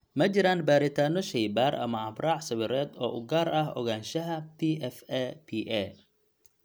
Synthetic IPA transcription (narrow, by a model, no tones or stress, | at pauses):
mɐt͡ʃɪɾaːnbaːɾɪt̪ʰaːnɔʃɛjbaːrɐ̰mɐɑbraːʕsɐwɪɾɛːd̪ɔːʔʊɡaːɾɐɦɔ̰ɣaːnʃɐɦɐpʰiʔɛfɛpʰiʔɛ